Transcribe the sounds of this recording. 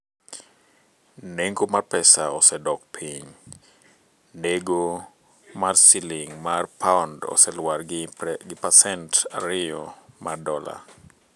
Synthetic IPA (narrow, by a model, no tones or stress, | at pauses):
neŋɡomarpɛsaɔsɛdɔk̚pʰiɲ | neɡo | marsiliŋmarpʰaɔndɔ̰sɛlwarɡɪpasɛnta̰ɾɪjɔmadɔla̰